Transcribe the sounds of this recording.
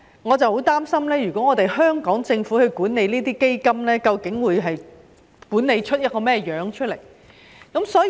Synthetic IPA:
ŋɔː˨˧t͡sɐ˨who˨˥wt̪aː˥msɐ˥mlɛː˥jyː˨˩kɔː˨˦˥ŋɔː˨˧t̪e˨jɦœː˥ŋkɔː˨˥ŋt͡sɪ˧ŋfuː˨˥hɵ˨˧kuː˨˥nne˨˧jniː˥t̪iː˥ke˥jkɐ˥mlɛː˥kɐ˧wkɪ˨˥ŋwuː˨˧jɦɐ˨j | kuː˨˥ne˨˧jt͡ʃʰɵ˥t̚jɐ˥t̚kɔː˧mɛː˥jœː˨˧˥ŋt͡ʃʰɵ˥le˨˩j | kɐ˨˥msɔː˨˥

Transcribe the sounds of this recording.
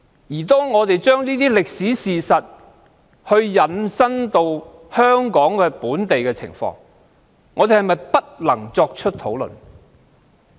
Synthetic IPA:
jiː˨˩t̪̬ɔː˥ŋɔː˨˧t̪e˨jt͡ʃœː˥ŋniː˥t̪iː˥lɪ˨k̚siː˨˥siː˨sɐ˨t̚ | hɵ˧ɥjɐ˨nsɐ˥nt̪o˧w | hœː˥ŋkɔː˨˥ŋkɛː˧puː˨˥nt̪e˨jkɛː˧t͡sʰɪ̰˨˩ŋfɔ̰ː˧ŋː | ɔː˨˧e˨jhɐ˨jmɐ˨jpɐ˥t̚lɐ˨˩ŋt͡sɔː˧k̚t͡ʃʰɵ˥t̚t̪ʰo˨˥wlɵ̰˨˩n

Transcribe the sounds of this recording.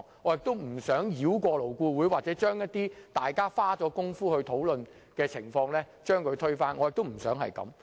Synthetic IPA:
ŋɔ˨˧˥jɪ˨k̚t̪o˥wm̩˨˩sœː˨˥ŋjiː˨˥wkʷɔː˧lo˨˩wkuː˧wuː˨˥jwaː˨t̚t͡sɛː˨˥t͡ʃœː˥ŋjɐ˥t̚t̪iː˥t̪aː˨jkaː˥faː˥t͡sɔː˨˥kʊ˥ŋfuː˥hɵ˧ɥt̪ʰo˨˥wlɵ˨˧n | kɛː˧t͡sʰɪ˨˩ŋfɔː˧ŋlɛː˥ | t͡ʃœː˥ŋkʰɵ˨˧ɥt̪ʰɵ˥ɥfaː˥nŋɔː˨˧jɪ˨k̚t̪ʊ˥m̩˨˩sœː˨˥ŋɦɐ̰˨jkɐ̰˨˧˥m

